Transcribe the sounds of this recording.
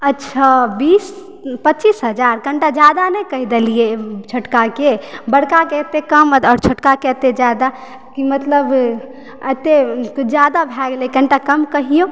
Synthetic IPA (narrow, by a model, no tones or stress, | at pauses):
ətːʃʰabis | pətːt͡ʃisɦəd͡ʒaɾkə̃ɳʈad͡ʒjad̪anɛkəɦid̪eliet͡ʃʰəʈkakebəɽkaket̪ekəmɔːɾt͡ʃʰəʈkaket̪ed͡ʒad̪a | kimət̪ləb | ət̪ekd͡ʒjad̪abʱɛɡlekə̃ɳʈakəmkəɦijo